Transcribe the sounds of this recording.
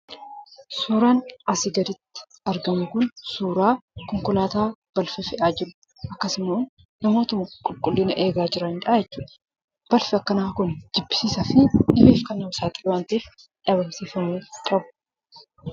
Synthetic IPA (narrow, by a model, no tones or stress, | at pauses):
suːɾaːnɐsɪɡɐɾɪt̪ːɪ̥ | ɐɾɡɐmʊkʊnsuːɾaːkɔŋkɔlaːt̪aːb̥ɐlfɛfɛʔaːd͡ʒɪɾʊ̥ | ʔɐkːɐsɪmoː | nɐmoːt̪ɐmʊkʼʊlkʼʊlːɪːnɐʔe̞ːɡaːd͡ʒɪɾɐhɪnᶑaːjɛt͡ʃːuːᶑɐ | b̥ɐlfɪɐkːɐnaːkʊnd͡ʒɪbːɪ̥siːsɐfɪnɪbeːfkɐnɐwʊsaːt̪ʼɪlwaːnt̪eːf | ᶑɐβɐmseːfɐmuːkʼɐbʊ̥